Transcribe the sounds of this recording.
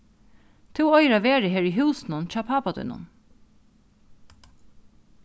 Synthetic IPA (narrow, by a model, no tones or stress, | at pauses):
t̪ʰuwɔjɾaʋeːɾɪɦeːɹiɦuwsnʊnt͡ʃɑːpʰaːpat̪ṵjnʊ̰n